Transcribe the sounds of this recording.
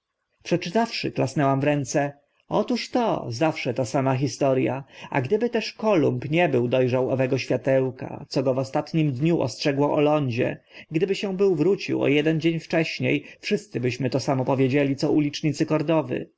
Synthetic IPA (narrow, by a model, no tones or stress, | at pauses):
pʂɛt͡ʂɘt̪afʂɘ̰klasnɛwamvɾɛnt̪sɛ | ɔ̰t̪uʂt̪ɔ̰zafʂɛt̪asamaxʲist̪ɔɾja̰a̰ɡd̪ɘbɘt̪ɛʂkɔlumpɲɛbɘwd̪ɔjʐawɔvɛɡɔɕfʲjat̪ɛwka̰t̪sɔɡɔvɔst̪at̪ɲimd̪ɲuʔɔ̰stʂɛɡwɔʔɔlɔɲd͡ʑɛ̰ | ɡd̪ɘbɘɕɛ̃bɘwvɾut͡ɕḭwɔ̰jɛd̪ɛnd͡ʑeɲft͡ʂɛɕɲejfʂɘst̪sɘbɘɕmɘt̪ɔsamɔpɔvʲjed͡ʑelʲit̪sɔulʲit͡ʂɲit̪sɘkɔɾd̪ɔvɘ̰